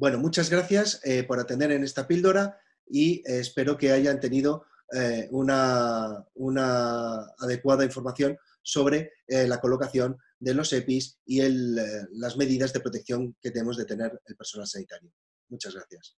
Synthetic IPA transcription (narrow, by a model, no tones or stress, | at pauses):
bwe̞no̞mut͡ʃazɣɾaθjasepo̞ɾat̪e̞nd̪e̞ɾe̞ne̞st̪apild̪o̞ɾa | iespe̞ɾo̞ke̞aʝant̪e̞niðo̞ | una | unaː | ð̞e̞kwaðaiɱfoɾmaθjo̞n | so̞βɾe̞lako̞lo̞kaθjo̞n | d̪e̞lo̞se̞pisielːazme̞ðiðazðe̞pɾot̪e̞k̚θjo̞ŋke̞t̪emo̞zðe̞t̪e̞ne̞ɾelpe̞ɾso̞nalsanit̪aɾjo | mut͡ʃazɣɾaθjas